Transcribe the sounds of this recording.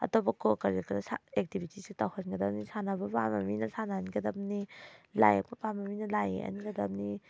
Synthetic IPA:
ɐ̰tobakɔkɐɾikɐdasaek̚tibʱitisitawhanɡɐdap̚nisanabɐpamaminɐsananiɡɐdap̚nila̰jḛk̚pɐpamɐminɐlajḛa̰niɡɐdɐp̚ni

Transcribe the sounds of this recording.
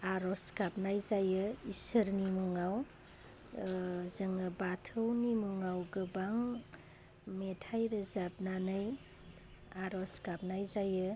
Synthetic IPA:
aɾɔskap̚najzajɯisəɾnimuŋaw | zɯŋɯbatʰɯwnimuŋawɡɯbaŋ | metʰajɾɯzap̚nanɯj | aɾɔskap̚najzajɯ

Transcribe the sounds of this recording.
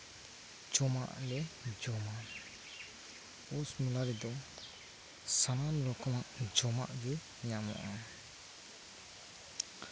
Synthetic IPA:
d͡ʒɔma̰ʔlɛd͡ʒɔma | ɔsmulaɾid̪ɔ | sanamɾɔkʰɔmaʔd͡ʒɔma̰ʔd͡ʒɯ | ɲamɔ̰ʔa

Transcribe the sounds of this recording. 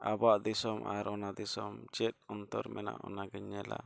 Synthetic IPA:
abaʔd̪isɔmʔaɾɔnad̪isɔmd͡ʒɛt̪̚ɔnt̪ɔɾmɛna̰ʔɔnaɡɛɲɛla̰

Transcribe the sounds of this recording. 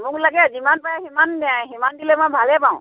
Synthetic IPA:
mʊ̃klaɡɛd͡ʒimanpajaɦimannaɦimandilɛmabʱalɛpãʊ̃

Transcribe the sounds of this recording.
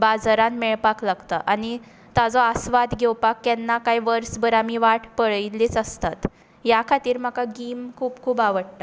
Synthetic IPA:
bad͡zɾanmɛɭpaklaɡt̪ə̰ʔani | t̪ad͡zɔəsʋad̪ɡʱɛwpakːɛnːakajʋəɾsbəɾamiʋaʈʰpəɭjiliːt͡səst̪at̪ | jakʰat̪iːɾm̤akaɡiːmkʰuːpkʰuːpaʋəɽʈa

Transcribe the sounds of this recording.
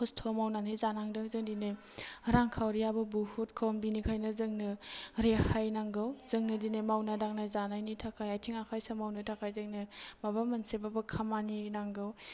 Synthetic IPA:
ostʰomawnanijzanaŋdɯŋzɯŋdinɯjɾaŋkʰawɾijabɯbuhutkʰowmbinikʰajnɯzɯŋnɯɾehajnaŋɡɯwz̥ɯŋnɯdinejmawnadaŋnajzanajnitʰakʰajajtʰiŋakʰajsamawnɯtʰakʰajzɯŋnɯmabamɐnsebabɯkʰamaninaŋɡɯw

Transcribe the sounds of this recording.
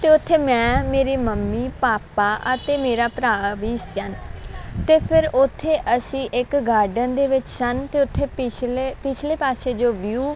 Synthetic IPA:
t̪eːʊt̪ʰːeːmɛ̃ːmeːɾiːməmːiːpaːpaːʔət̪eːmeːɾaːpɾaːʋiːsənt̪eːpʰɪɾʊt̪ʰːeːʔəsĩːʔɪkɡaːɾɖənd̪eːʋɪt͡ʃsənt̪eːʊt̪ʰːeːɪepɪt͡ʃʰleːpaːseːd͡ʒoːʋjuː

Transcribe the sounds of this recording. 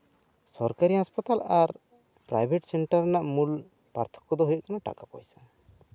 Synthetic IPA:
sɔɾkaɾiɦaspat̪alaɾ | pɾa̰jbʱeʈsɛɳʈaɾnaʔmul | pa̰ɾt̪ʰɔ̥kɔd̪ɔɦujəʔkanaʈa̰kapɔ̰jsḁ

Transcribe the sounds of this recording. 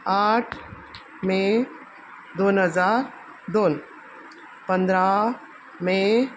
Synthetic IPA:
aːʈʰ | mẽ | d̪oːnɦəzaːɾ | d̪oːn | pə̃nd̪ɾa | mẽ

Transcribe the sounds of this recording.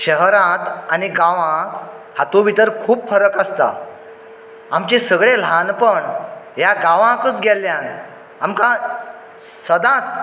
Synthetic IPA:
ɕəɦɾãt̪aniɡãʋã | hat̪õʋit̪əɾkʰuːbfəɾəkəst̪a̰ | amt͡ɕĩsəɡɭelanpəɳjaɡãʋãkət͡sɡʱɛlːjãn | amkã | səd̪ãt͡s

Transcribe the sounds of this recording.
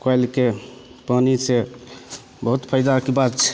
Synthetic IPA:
kajlke | panise | bəɦut̪pʰəjd̪akebat̪t͡ʃʰɛ̥

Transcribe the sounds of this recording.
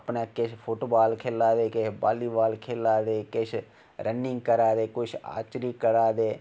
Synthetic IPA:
pnaːkɪʃʰpʰʊʈbaːlkʰeːlːaːd̪eːkɪʃba̰ːliːbaːlkʰeːlaːd̪eːkɪʃʰ | ɾənɪŋɡkəɾaːd̪eːkʊt͡ʃʰa̰ːt͡ʃɾiːkəɾaːd̪eː

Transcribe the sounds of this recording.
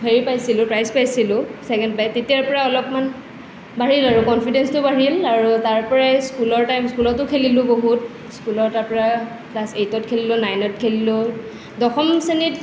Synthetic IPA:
bʱeɹipajsilʊ̃pɹajspajsilʊ̃sɛkɛndpajtetijaɹpɔɹaɔlɔpman | baɹilaɹʊkɔnpʰidɛnstʊbaɹilaɹutaɹpɔɹajskulɔɹtajmskulɔtːʊkʰelilʊ̃boɦut̚ | skulɔtaɹpɔɹa | plasejtɔtkʰelilʊnajnɔt̚kʰelilʊ | dɔxɔmsenit

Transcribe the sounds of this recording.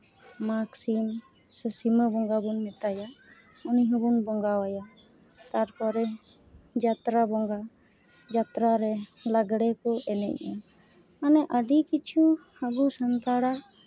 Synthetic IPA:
maksim | səsiməbɔŋɡabunmɛt̪aja | uniɦɔbunbɔŋɡawaja | t̪aɾkɔɾɛ | d͡ʒat̪ɾabɔŋɡa | d͡ʒat̪ɾaɾɛlaɡɽɛkɔʔɛnɛ̰c̚ʔɔ | anɛʔəɖikit͡ʃʰuhaɡusant̪aɽa

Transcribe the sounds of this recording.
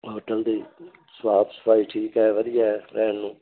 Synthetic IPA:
oːʈəld̪eː | sʋaːbsə̥pʰaːiʈʰiːkɛːʋəd̪ɪjaːɛɾɛːnnũː

